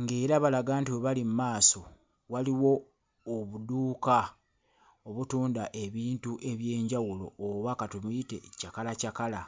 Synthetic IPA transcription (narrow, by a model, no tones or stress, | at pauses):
ŋɡeːɾaβalaɡaːntiweβalimumaːso̞ | waliwo̞ː | βuduːka | oβutuːndaʔe̞βiːntuʔe̞βje̞ːɲɟawulo̞̰ːβakatumite̞̰cakalacakala